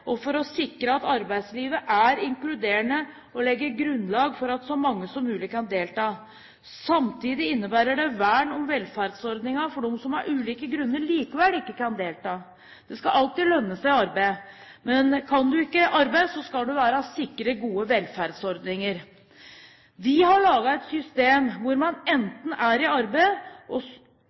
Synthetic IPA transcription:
ʔɔfɔɾɔsɪkɾəɑt̪ɑɾbæɪd̪sliːʋəʔæɾɪŋklʉd̪eːəɳə | ɔlɛɡːəɾɡɾʉnːlɑːɡfɔɾɑt̪sɔmɑŋːəsɔmːʉːlɪkɑnd̪eːlt̪ɑː | sɑmt̪ʰiːd̪ɪɪnːəbæːɾəɖɛʋæːɳɔmʋɛlfæɾd̪sɔɾd̪nɪŋɑfɔɖɔmsɔmɑɾʔʉːliːkəɡɾʉnːəɭiːkəʋælɪkːəkɑnd̪eːlt̪ɑː | d̪̥ɛskɑʔɑlt̪iːlœnːəsæɪɑɾbæɪ | mɛnkʰɑnd̪ʉɪkːəʔɑɾbæɪsɔskɑld̪ʉʋæːɾɑsɪkːɾəɡuːəʋɛlfæɾd̪sɔɾd̪nɪŋəɾ | ʋɪɦɑɭɑːɡɑɛt̪sʏst̪eːmʋʊɾmɑnɛnt̪n̩æɾɪɑɾbæɪʔɔ

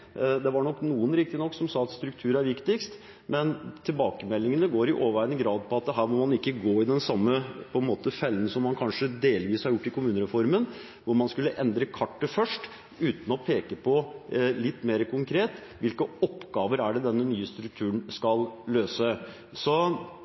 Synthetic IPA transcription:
d̪ɛʋɑɾɳɔkːnuːənɾɪk̚t̪ɪnɔkːsɔmsɑːɑt̪st̪ɾʉk̚t̪ʰʉːɾæɾʋɪkt̪ɪkst̪ | mɛnt̪ʰɪlbɑːkəmɛlːɪŋənəɡoːɾɪʔoːʋʋæɾənɡɾɑːd̪̚pʰɔɑt̪̚d̪ɛɦæːɾmɔmɑnɪkːəɡoːɪd̪ɛnsɑmːəpʰɔɛnmoːt̪əfɛlːənsɔmːɑnkʰɑnʂəd̪eːlʋiːshɑɾjʊʈːɪkʰʊmʉːnəɾɛfɔɾmən | ʋʊɾmɑnskʉlːəʔɛnd̪ɾəkʰɑʈːəfœʂʈ | ʉːt̪n̩ɔpʰeːkəpʰɔlɪt̪ːmeːɾəkʰʊŋkʰɾeːt̪ | ʋɪlkəɔpːɡɑːʋəɾæɖɛd̪ɛnːənyːəst̪ɾʉk̚t̪ʰʉːnskɑlløːsə | sɔ

